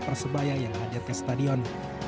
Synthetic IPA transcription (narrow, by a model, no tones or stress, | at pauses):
pərsəbajajaŋɦadɪrkəst̪adiɔn